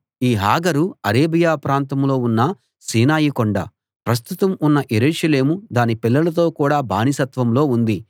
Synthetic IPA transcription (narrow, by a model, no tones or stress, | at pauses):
iːɦaːɡɐɾuɐɾeːbijaːpɾaːnt̪ɐmlo̞ːunːɐ | siːnaːjikoɳɖɐ̰ | pɾɐs̬t̪ut̪ɐmunːɐʔeɾuːʂɐle̞ːmud̪aːnipilːɐlɐt̪̬o̞ːkuːɽaːbʱa̰ːnisɐt̪ʋɐmlo̞ːund̪i